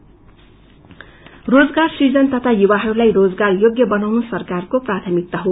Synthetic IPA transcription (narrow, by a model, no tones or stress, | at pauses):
rod͡zɡarsid͡zʌnt̪ʌt̪ʰajuβaɦʌɾulajrod͡zɡarjoɡjʌbʌnawnusʌrkarkoprat̪ʰʌmik̚t̪ʌɦo